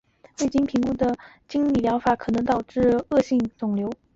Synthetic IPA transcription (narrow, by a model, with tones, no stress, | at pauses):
we˥˩ɪt͡ɕi˥npʰi˧˥ŋku˥d̪ə˨ | t͡ɕi˥ŋli˨˥˩ljɑ˧˥ʊfa˧˥kʰɤ˨˩nɤ˧˥ŋt̪ɑ˨˩ʊʈ͡ʂɻ̩˥˧ɤ˥˧ɕi˥˩ŋt͡sʊ˨˩ŋljo˧˥ʊ